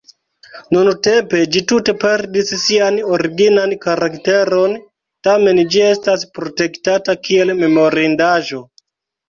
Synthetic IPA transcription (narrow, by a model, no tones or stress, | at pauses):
nunute̞mpe̞d͡ʒitute̞pe̞ɾdisːiano̞ɾiɡinankaɾakte̞ɾo̞n | tame̞nd͡ʒie̞staspɾo̞te̞ktatakie̞lme̞mo̞ɾindaʒo̞